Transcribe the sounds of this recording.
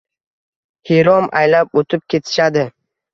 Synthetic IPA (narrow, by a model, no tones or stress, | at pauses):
heɾɒma̰jlap̚ot̪ʰɪp̚kʲe̞t̪ʰɪ̥ʃad̪ɪ